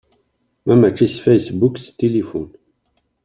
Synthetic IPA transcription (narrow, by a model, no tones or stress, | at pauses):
mæmæt͡ʃːisfæjsbukst̪ilifun